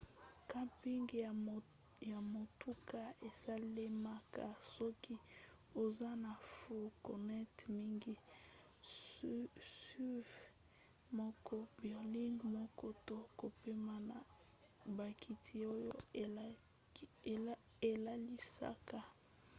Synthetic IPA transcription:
ka˦mpi˦ŋɡ | ja˨mo˨tu˦ka˨e˨sa˦le˦ma˦ka˨sɔ˦ki˦ | o˨za˦na˨fo˨ko˨nɛ˦tmi˦ŋɡi˦ | si˦v | mɔ˦kɔ˦bɛ˨ʁli˦ŋɡmɔ˦kɔ˦to˦ko˨pe˦ma˨na˨ | ba˨ki˨tʰi˨o˦jo˦˨ | e˨la˦li˦sa̰˦ka˨

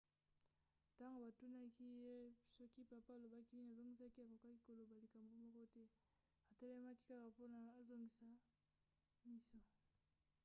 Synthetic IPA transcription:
ta˦ŋɡo˨ba˨tu˦na˦ki˦je˦sɔ˦ki˦pa˨pa˦a˨lo˨ba˦ki˦ni˦n˨a˨zo˦ŋɡi˦sa˦ki˦a˨ko˨ka˦ki˦ko˨lo˨ba˨li˨ka˨mbo˦mɔ˦kɔ˦tɛ˦ | a˨te˦lɛ˦ma˦ki˦ka˦ka˨po˦na˨a˨zo˦ŋɡi˨sa˨ | mi˦so˦˨

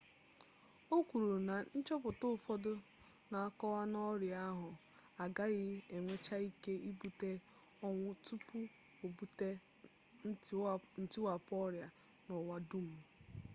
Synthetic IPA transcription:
o˦kʷu˨ɾu˨na˨n̩˦t͡ʃɔ˦pʊ˨tʊ˦˨fɔ˦dʊ˦ | na˨a˦kɔ˦wa˦nɔ˦ɾja˦ɦʊ˨ | a˨ɡa˦ɣɪ˦e˨ŋʷe˦t͡ʃa˦i˦ke˦i˦bu˨te˦ | ɔ˦ŋʷʊ˦tu˦pu˦ | o˨bu˨te˦ | n̩˦tɪ˦wa˨pɔ˦ɾja˨ | nɔ˨wa˦du˦m̩˨

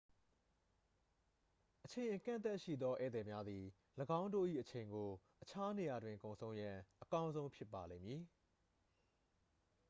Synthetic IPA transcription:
ʔət͡ɕʰẽ˨ɪ̃ʔəkã̰˦˨nt̪a˦ʔʃḭ˦˨d̪ðɔ˦ʔɛ̰˦˨d̪ɛ˨mja˦d̪ði˨ | ləɡã˦ʊ̃ndo̰˦˨ʔḭ˦˨ʔət͡ɕʰẽ˨ɪ̃ŋɡo˨ | ʔət͡ɕʰa˦ne˨ja˨dwɪ̃˨ŋkõ˨ʊ̃sʰõ˦ʊ̃jã˨ʔəkã˦ʊ̃nzõ˦ʊ̃mpʰjɪ˦pːa˨lẽ˦˨mji˨

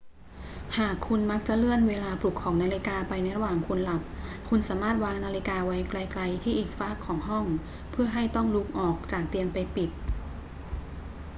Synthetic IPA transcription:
haː˨˩kʰːu˧nma˦˥k̚t͡ɕa˨˩ʔlɯ˥˩ənweː˧laː˧plu˨˩kʰːɔː˩˦ŋnaː˧li˧˥kaː˧pa˧jna˧jɾa˧waː˨˩ŋkʰu˧nla˨˩p̚kʰu˧nsaː˩˦maː˥˩t̪̚waː˧ŋnaː˧li˧kaː˧wa˦˥jkla˧jkla˧jt̪ʰiː˥˩ʔiː˨˩k̚faː˦˥˩kʰːɔː˩˦ŋɦɔ˥˩ŋ | pʰɯ˥˩ɐɦa˥˩jt̪ɔ˥˩ŋluː˦˥˩k̚ʔɔː˨˩k̚t͡ɕaː˨˩k̚t̪i˧ənpa˧jpi˨˩t̪̚

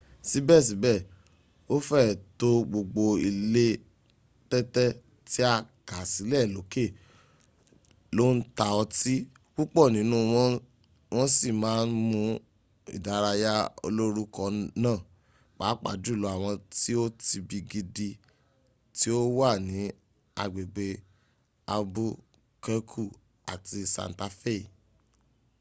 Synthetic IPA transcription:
si˨˦bɛ˦˨s̬i˨˦bɛ˦˨ | o˦fɛ˦˨to˦ɡ͡bo˧ɡ͡bo˧i˧le˦ | tɛ˦tɛ˦ | ti˦a˦˨ka˨si˨˦lɛ˦˨lo˨˦ke˦˨ | lo˦n̩˦ta˧ɔ˧ti˦ | k͡pu˦k͡pɔ˦˨nĩ˨˦nũ˦ | w̃ɔ̃˦si˦˨mãː˨˦n̩˦mũ˧ | ḭ˨da˨˦ɾa˧ja˦o̰˧lo˦ɾu˦kɔ˧nãː˦˨ | k͡paː˨˦k͡pa̰˨du˦˨lɔ˨˦a˦˨w̃ɔ̃˧ti˦o˦ti˧bi˧ɡi˧di˧ | ti˦o˦wa˦˨nĩ˨˦ | a̰˧ɡ͡be˨ɡ͡be˧ | a˧bu˦ | kɛ˦kʰu˦˨ | a˨ti˧sã̰˨n˨ta˧fe˦˨

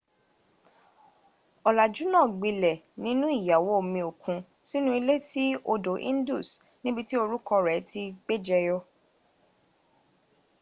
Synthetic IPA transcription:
ɔ˨la˨d͡ʒu˨˦nãː˦˨ɡ͡bi˧lɛ˨ | nĩ˨˦nũ˦i˦˨ja˨wo˨˦o˦˨mĩ˧o˨kũ˧ | si˦nũ˦i˧le˦ti˦o˧do˨ʔḭ̃˦n˦du˦˨s | nĩ˦bi˧ti˦o˧ɾu˦kɔ˧ɾɛ˨˦ti˧ɡ͡be˦d͡ʒɛ˧jɔ˧

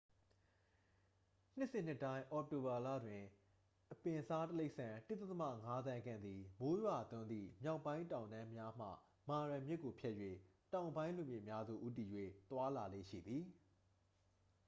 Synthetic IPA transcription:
n̥ɪ˦ʔsɪ̃˦˨n̥ɪ˦˨tːã˦ɪ̃ʔɔ˨k̚to˨ba˨la̰˦˨dwɪ̃˨ | ʔəpɪ̃˨sa˦təle˦ɪʔsã˨tɪ˦t̪ə˦t̪ə˦mä̰˦˨ŋa˦d̪ã˦ɡã̰˦˨nd̪ði˨mo˦jwa˨ʔt̪ʊ̃˦nd̪ðḭ˦˨mja˦ʊpːã˦ɪ̃ntã˨ʊ̃nã˦mja˦m̥ä̰˦˨ | ma˨ɹã˨mjɪ˦ʔkːo˨pʰjɛ˦ʔjwḛ˦˨tã˨ʊ̃mbã˦ɪ̃lũ˨mjɪ̰˦˨ʔəmja˦zṵ˦˨ʔu˦t̬i˨jwḛ˦˨t̪wa˦la˨lḛ˦˨ʃḭ˦˨d̪ði˨

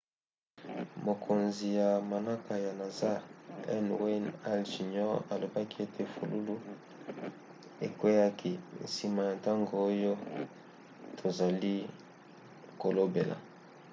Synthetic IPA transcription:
mo˨kʰo˨nzi˨ja˨ma˨na˦ka˨ja˨na˨za˦ɛ˦nwe˦na˦lʒi˨ɲɔ˦ʁa˨lo˨ba˦ki˦e˦tʰe˨fu˨lu˦lu˦ | ḛ˨kwe˦ja˦kʰi˨n̩˨si˨ma˨ja˨ta˦ŋɡo˨o˦jo˦ | tʰo˨za˨li˦ | ko˨lo˦be˨la̰˨

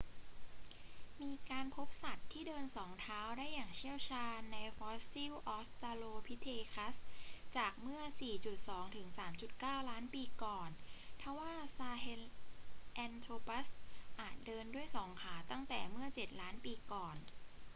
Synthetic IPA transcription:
miː˧kaː˧npʰo˦˥p̚sa˨˩t̪ʰːiː˥˩dɤː˧nsɔː˩˦ŋt̪ʰaː˦˥wdaː˥˩jːaː˨˩ŋt͡ɕʰi˥˩əwt͡ɕʰaː˧nːa˧jfɔː˦˥si˥˩wʔɔː˦˥st̪aː˧loː˧pʰi˦˥t̪ʰeː˧kʰa˦˥st͡ɕaː˨˩k̚mɯ˥˩ɐsiː˨˩t͡ɕu˨˩t̪̚sɔː˩˦ŋt̪ʰɯ˩˦ŋsaː˩˦mt͡ɕu˨˩t̪̚kaː˥˩wlaː˦˥npiː˧kɔː˨˩nt̪ʰa˥˩waː˥˩saː˧he˧˥lʔɛː˧nt̪ʰoː˧pa˦˥sʔaː˨˩t̪̚dɤː˧ndu˥˩əjsɔː˩˦ŋkʰaː˩˦t̪a˥˩ŋt̪ɛː˨˩mɯ˥˩ɐt͡ɕe˨˩t̪̚laː˦˥npiː˧kɔː˨˩n

